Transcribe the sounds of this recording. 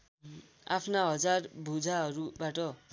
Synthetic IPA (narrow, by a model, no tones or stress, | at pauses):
a̰pʰnaɦʌd͡zarbʱud͡zʱaɦʌɾubaʈʌ